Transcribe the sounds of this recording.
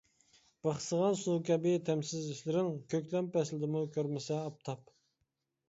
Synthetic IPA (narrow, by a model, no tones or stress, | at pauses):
b̥ɑχsəʁɑnsukʲɛbɪt̪ʰɛmsɪziʃlɪɾɪŋkʲøkʲlɛmpɛslɪd̪ɪmukʲʰøɾmɪsɛɑp̚t̪ʰɑp